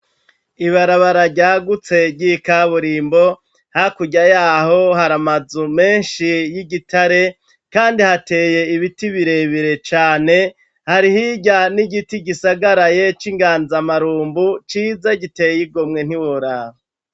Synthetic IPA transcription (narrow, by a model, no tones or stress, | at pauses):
iβaɾaβaɾaɟaːɡut͡se̞ɟikaβuɾiːmbo̞ | hakuɟajaːho̞haɾamazume̞ːnʃijiɡitaɾe̞ | kaːndihate̞ːje̞iβitiβiɾe̞βiɾe̞t͡ʃaːne̞ | haɾihiɟaniɡitiɟisaɡaɾaje̞t͡ʃiŋɡaːnzamaɾuːmbut͡ʃiːzaɟitejiɡomŋe̞n̥iwuɾaβa